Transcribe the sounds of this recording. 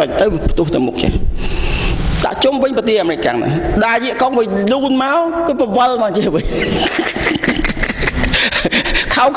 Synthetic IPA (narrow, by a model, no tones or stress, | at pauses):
ɔc̚t̪ɨwpʰt̪ʊ̆əht̪ɨwmʊk̚ːḛ | ɗ̪a̰ʔt͡ɕumʋɨɲpət̪iəhʔaːmɾɨkka̰ŋna̰ɗaːjiəʔkoŋʋɨjluːnmaɔpɨpəʋəlɓaːŋt͡ɕiəʋɨ | kʰawk